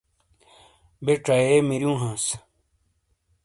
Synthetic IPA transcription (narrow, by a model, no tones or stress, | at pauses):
beʈ͡ʂɐemiɾjũːɦãːs